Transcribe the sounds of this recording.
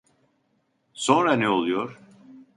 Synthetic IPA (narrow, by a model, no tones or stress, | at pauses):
so̞nɾanɛolˠujoɾ̥